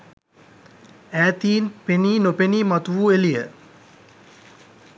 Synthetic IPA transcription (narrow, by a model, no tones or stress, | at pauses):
æːt̪iːnpeniːnopeniːmat̪uʋuelijə